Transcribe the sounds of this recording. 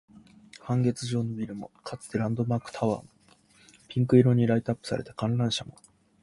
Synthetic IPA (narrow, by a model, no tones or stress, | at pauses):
hãŋɡe̞t͡sɨʑo̞ːnobʲiɾɯ̟mo̞̰kʰat͡sɨ̥t̪eɾãnd̪o̞maːkɯ̟̥t̪ʰaβa̰ːmo | pʲĩŋkɯ̟iɾo̞ɲ̟iɾait̪apːɯ̥sa̰ɾet̪akãnɾãɰ̃ɕamo